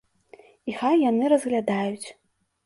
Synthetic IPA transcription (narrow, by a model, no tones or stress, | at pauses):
ixajːanɨɾɐzɣlʲad̪ajut͡sʲ